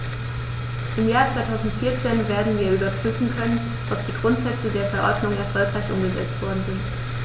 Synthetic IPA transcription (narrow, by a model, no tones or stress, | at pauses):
ʔɪmjaːɐt͡sv̥aɪtʰaʊzn̩tfiːɐt͡seːnveːɐdn̩viːɐʔyːbɐpʁ̥yːfn̩kʰœnən | ʔɔp̚d̥iːɡʁʊntz̥ɛt͡sədeːɐfɛɐʔɔɐdnʊŋɛɐfɔlkʁ̥aɪçʔʊ̰mɡəzɛ̰t͡stv̥ɔɐdn̩zɪnt